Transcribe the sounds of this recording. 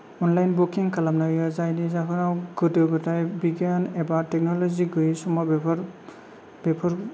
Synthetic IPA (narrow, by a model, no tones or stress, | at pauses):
ɔnlajnbukiŋkalamnaɹijɔzajdizakʰɔnawɡɔdeɡɔtajbiɡjanɛbatɛk̚nɔlɔziɡɯjisɔmɔb | bɛpʰɔɹ